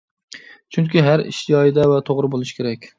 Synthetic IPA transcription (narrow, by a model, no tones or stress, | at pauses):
t͡ʃʰyŋkʲiɦæɾḭʃjɒjɪd̪ɛvɛt̪ʰoʁɾɪbolˠɨʃkʲʰeɾɛkʲ